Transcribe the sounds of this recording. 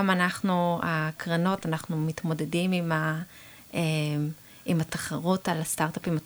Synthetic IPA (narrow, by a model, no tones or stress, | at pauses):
amanaχnuakʁano̞tanaχnumitmo̞de̞dimima | ʔem | imat̪ḁχaʁutalast̪aʁtapima